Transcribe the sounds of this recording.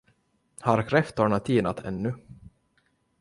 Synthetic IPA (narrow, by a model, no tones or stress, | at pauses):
haɾkʰɾɛft̪ɔːɳat̪ʰːiːnat̪ʰɛ̰nːɵ